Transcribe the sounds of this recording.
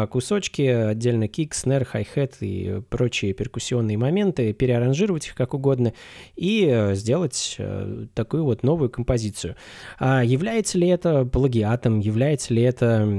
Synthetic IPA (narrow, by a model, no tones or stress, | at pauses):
kʊso̞t͡ɕkʲɪɐdʲːelʲnəkʲiksnɛrxajxɛt̪ʰḭpɾo̞t͡ɕɪjəpʲɪrkʊsʲːɪo̞nːɨjəmɐmʲe̞nt̪ɨpʲɪɾʲɪɐɾɐnʐɨɾəvətʲixkakʊɡo̞d̪nəizʲdʲe̞lˠətʲt̪ɐkujʊvo̞t̪no̞vʊjʊkəmpɐzʲit̪sɨjʊajɪvlʲæjɪt̪səlʲɪɛt̪əplˠəɡʲɪat̪əmjɪvlʲæjɪt̪səlʲɪɛt̪ə